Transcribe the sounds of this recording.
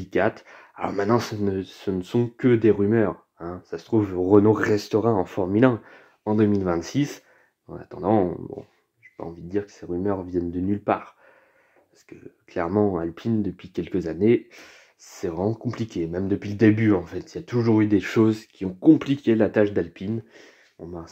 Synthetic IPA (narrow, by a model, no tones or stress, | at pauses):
ikat̪ | alɔ̰ʁmɛ̃t̪nɑ̃sənəsənəsɔ̃kəd̪eʁymœːʁ | ɛ̃sasə̥t̪χuvʁənoʁɛst̪ɔʁɑ̃ɑ̃fɔʁmylɛ̃ | ɑ̃d̪əmilvɛ̃t̪sis | ɑ̰̃na̰t̪ɑ̃d̪ɑ̃bɔ̰̃ | ʒepa̰ɑ̰̃vid̪əd̪iʁkə̥seʁymœʁvjɛnd̪ənylpaːʁ | paʁsə̥kəklɛʁmɑ̃a̰lpʰind̪əpɥikʲɛlkəzane | ssɛvʁɛmɑ̃kɔ̃plikʲemɛmd̪əpɥiləd̪ebyɑ̃fɛt̪iljat̪uʒuʁyd̪eʃozkʲiɔ̃kɔ̃plikʲelat̪aʃd̪alpin | ɔ̃bã